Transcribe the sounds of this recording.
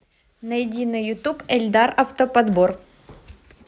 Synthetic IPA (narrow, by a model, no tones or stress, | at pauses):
nɐjɪdʲinːɨjjʊt̪upɛlʲd̪arɐft̪əpɐd̪bor